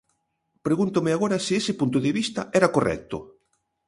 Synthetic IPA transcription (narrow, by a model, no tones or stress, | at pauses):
pɾeɣunt̪omɪaɣoɾasiesɪpunt̪̬oðeβist̪ɐɛɾakorʔɛ̰k̚t̪ʊ̰